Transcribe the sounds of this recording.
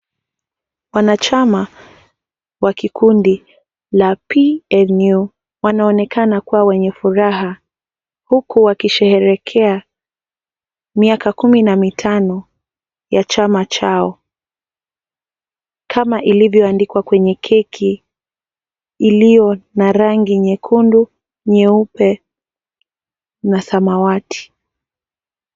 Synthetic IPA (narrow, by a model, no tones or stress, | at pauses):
wanat͡ʃama | wakikundi | lapiɛnu | wanaɔnɛkanakuwawɛɲɛfuɾaɦa | hukuwakiʃɛhɛɾɛkʰɛa | miakakuminamitʰanɔ | jat͡ʃamat͡ʃaɔ | kʰamaʔilivjɔandikwakwɛɲɛkʰɛkʰi | lijɔnaɾaŋɡiɲɛkʰundu | ɲɛupɛ | nasamawatʰi̥